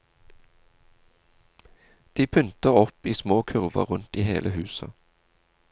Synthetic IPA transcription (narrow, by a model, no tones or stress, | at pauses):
d̪̥iːpʰʉnt̪əʁɔpiːsmoːkʰʉʁʋɑ̰ʁʉnt̪iːhḛːlʔəhʉːsɑ